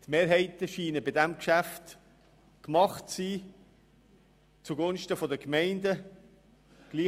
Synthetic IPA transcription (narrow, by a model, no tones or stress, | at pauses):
t̪meːɾɦɛɪtəʃiːnəbɪdæmkʃæft | kmɑχt͡siː | t͡suɡonʃtəfɔdəkmɛɪndə | ɡ̥liː